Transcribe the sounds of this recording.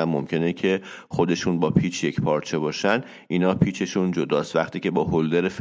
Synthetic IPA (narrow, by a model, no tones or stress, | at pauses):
æmːomcʰe̞necʰe̞ | xo̞d̪e̞ʃunbɒːpʰiːt͡ʃʰje̞cʰpʰɒːɾt͡ʃʰe̞bɒːʃænd̪ | ʔinɒːpʰiːt͡ʃʰe̞ʃund͡ʒod̪ɒːst̪væχt̪ʰiːce̞bɒːɦold̪eɾef